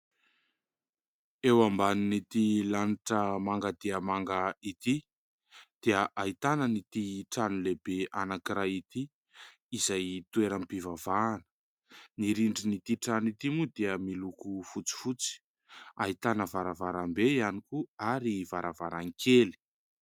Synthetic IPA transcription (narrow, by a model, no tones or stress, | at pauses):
ewambaninit̪ilaniʈ͡ʂəmaŋɡad̪iəmaŋɡait̪i | d̪̥iəʔait̪anənit̪iʈ͡ʂanulebeʔanakiɾait̪i | izajt̪ueɾampivavaːnə̥ | niɾiɳɖ͡ʐinit̪iʈ͡ʂanit̪imud̪eəmilukufut͡si̥fut͡si̥ | ait̪anəvaɾavaɾambeianikuaɾivaɾavaɾaŋkʰeli̥